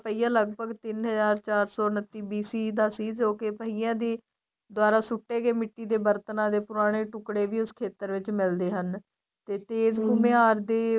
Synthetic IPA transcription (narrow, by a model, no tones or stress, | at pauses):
pəiːãːləɡ̚bʱəɡt̪ɪnɦəzaːɾt͡ʃaːɾsɔːnət̪ːiːbiːsiːd̪aːsiːd͡ʒoːkɪpəɦiːjãːd̪iː | d̪ʊaːɾaːsʊʈːeːɡeːmɪʈːiːd̪eːbəɾt̪ənãːd̪eːpʊɾaːɽ̃eːʈʊkɽeːʋiːʊskʰeːt̪əɾʋɪt͡ʃmɪld̪eːɦən | t̪eːt̪eːzɡʊmẽːaːɾd̪eː